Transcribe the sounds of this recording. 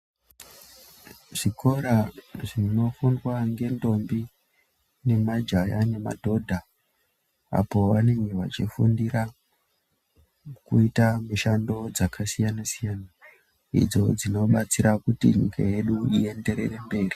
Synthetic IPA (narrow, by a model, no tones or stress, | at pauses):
ʐ̥ikʰo̞ɾaʐino̞funwaŋɡe̞ndo̞mbi | ne̞mad͡ʒajane̞ma̰dʱo̞dʱa | a̰po̞ʋane̞ŋɡe̞ʋat͡ʃifundiɾa | kuitamiʃando̞d͡zakʰasijanasijaːna | ḭd͡zo̞d͡zino̞ɓat͡siɾakutḭɲika̰je̞ɗuie̞nde̞ɾe̞re̞mbe̞ːri